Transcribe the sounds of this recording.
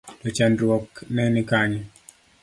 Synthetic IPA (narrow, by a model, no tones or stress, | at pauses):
tɔt͡ʃandɾwɔknɛnɪkaɲɛ